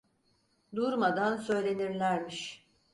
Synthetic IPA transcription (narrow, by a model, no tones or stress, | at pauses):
d̪uɾmad̪ansø̞jlʲe̞niɾlʲæɾmiʃ